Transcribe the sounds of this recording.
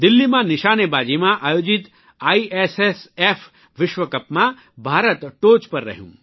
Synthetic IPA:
d̪ɪlːimãnɪʃaːnebaːd͡ʒeːmãʔaːjoːd͡ʒɪt̪ | aːieːsesefʰ | ʋɪʃʋɐkɐpmã | bʱaːɾət̪ʈoːt͡ʃpɐɾːɐ̰ɦjṵ̃ː

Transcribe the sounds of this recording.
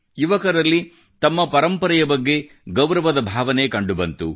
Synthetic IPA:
juʋɐkɐɾɐlːi | t̪ɐmːɐpɐɾɐmpɐɾɛjɐbɐɡːe̞ | ɡɐwɾɐʋɐd̪ɐbʱaːʋɐnekɐɳɖubɐnt̪u

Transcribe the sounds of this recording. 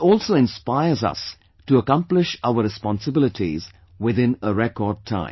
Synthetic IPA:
ɔːlˠsoɪ̃nspaɪəzʌ̰s | tuəkʌ̃mplɪʃaʊəɾɨspɑ̃nsəbɪlɪtʰiz | wɪðɪ̃nəɹɛkɔd̚tʰã̰ɪ̃mm

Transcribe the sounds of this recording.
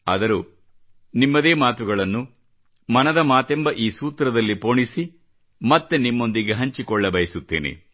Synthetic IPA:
ɐd̪ɐɾu | nimːɐd̪e̞ːmaːt̪uɡɐɭɐnːu | mɐnɐd̪ɐmaːt̪ɛmbɐʔiːsuːt̪ɾɐd̪ɐlːipoːɳisi | mɐt̪ːenimːo̞nd̪iɡeɦɐɲt͡ʃikɔɭːɐbɐjɐsut̪ːeːnḛ

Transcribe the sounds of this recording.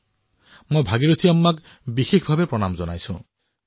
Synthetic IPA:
mojbʱaɡiɾot̪ʰiɔmːak | bixekʰbʱabepɾɔnamɔzɔna̰jsṵ̃

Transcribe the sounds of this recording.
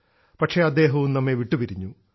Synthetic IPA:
pɐʈʂe̞ɐd̪ːe̞ːɦɐʋumnɐmːeʋiʈːupiɾiɲːu

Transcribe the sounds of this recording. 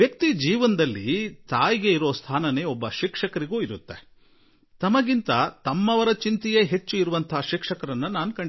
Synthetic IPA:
jɐkt̪id͡ʒiːʋɐnd̪ɐlːḭt̪aːjiɡe̞iɾoːst̪ʰaːnɐne̞ːɔbːɐʃikʂɐkɐɾiɡuːiɾut̪ːe | t̪ɐmɐɡint̪ɐt̪ɐmːɐʋɐɾɐt͡ʃint̪ijeɦet͡ʃːuiɾuʋɐnt̪ʰɐɦʃikʂɐkɐɾɐnːɐnaːnukɐɳɖi

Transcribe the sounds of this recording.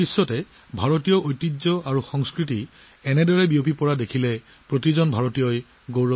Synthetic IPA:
isːɔtɛ | bʱaɹotijɔʔojtːizɔaɹuxɔŋskɹiti | ɛnɛdɔɹɛbiopipɔɹadekʰilɛ | pɹotizɔnbʱaɹɔtijɔj | ɡowɹɔ

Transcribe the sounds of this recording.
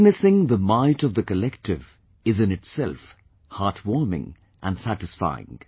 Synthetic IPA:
ɡnɨsɪ̃ŋðəmaɪtʌvðəkəlɛktɪv | ɨzɨ̃nɨtsɛlˠf | hɑtʰwɔɹmɪ̰̃ŋ | ʔə̃nsæɾɨsfa̰ɪɪ̰̃ŋ

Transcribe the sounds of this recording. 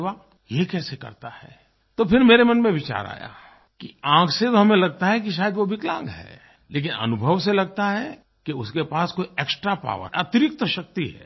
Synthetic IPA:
ʋa | jekɛːsekɐ̰ɾt̪ahɛ̰ː | t̪opʰɪɾmeːɾemɐnmẽʋɪt͡ʃa̰ːɾa̰ːja̰ | kiãːkʰset̪oɦɐmẽlɐɡ̚t̪aɦɛk̬iʃ̬aːjəd̪ʋobɪklã̰ːŋɡɦɛ̰ː | leːk̬ɪnɐ̰nʊbʱəʋselɐɡ̚t̪aɦɛ | kiʊskepaːskoːieːksʈɾapa̰ːʋə̰ɐt̪ɪɾɪk̚t̪əʃɐk̚t̪iɦɛ̰ː

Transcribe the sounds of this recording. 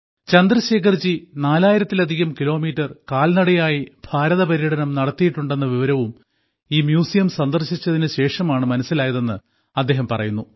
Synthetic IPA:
t͡ɕɐnd̪ɾɐɕe̞ːkʰɐrt͡ɕinaːlaːjiɾɐt̪ːilɐd̪ʱiɣɐmkilo̞ːmiːtːɐrkaːlnɐɽɐjaːjibʱaːɾɐðɐpɐɾiɽɐnɐmnɐɽɐt̪ːijiʈːuɳɖe̞nːɐʋiʋɐɾɐʋum | iːmjuːsijɐmsɐnd̪ɐrɕit͡ɕːɐðinɨɕe̞ːʂɐmaːɳɨmɐnɐsilaːjɐðe̞nːɨ | ɐd̪ːe̞ːɦɐmpɐrɐ̰junːu

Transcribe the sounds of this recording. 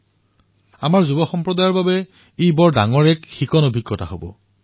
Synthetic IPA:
amaɹzubɔxɔmpɹɔdajɔɹbabɛ | ejbɔɹdaŋɔɹɛkxikɔnobʱikːɔtaɦobɔ̰

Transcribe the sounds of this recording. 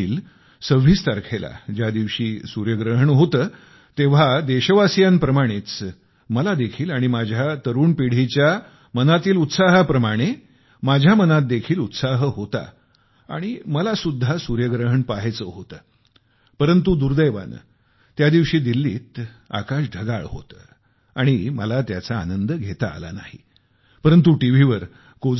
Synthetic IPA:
iːl | səʋ̤ist̪əɾkʰela̰d͡ʑjad̪iʋɕiːsuɾjəɡɾəɦəɳɦot̪əː | t̪eʋ̤ad̪eɕəʋasijanpɾəmaɽ̃et͡s | məlad̪ekʰiːlaɽ̃imad͡ʑʱjat̪əɾuːɳpiɽ̤it͡ɕja | mənat̪iːlut̪saɦəpɾəmaɽ̃e | mad͡ʑʱjamənat̪̚d̪ekʰiːlut̪saɦəɦot̪a̰ | a̰ɽ̃iməlasud̪ʱːasuɾjəɡɾəɦəɳpaɦt͡səɦot̪əː | pəɾənt̪ud̪uɾd̪əjʋa̰nə̰ | t̪jad̪iʋɕiːd̪ilːiːt̪ | a̰kaɕɖʱəɡaɭɦo̰t̪ə̰ː | aɽ̃imə̰lat̪jat͡saːnənd̪əɡʱet̪a̰ːla̰na̰hḭ | pəɾənt̪̬uʈiʋ̤iʋəɾ | ko

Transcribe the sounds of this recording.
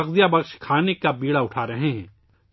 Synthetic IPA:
ɐɣd̪ijabɐkʃkʰaːnekabiːɽaʊʈʰaːɾɐɦeɦɛ̰̃ː

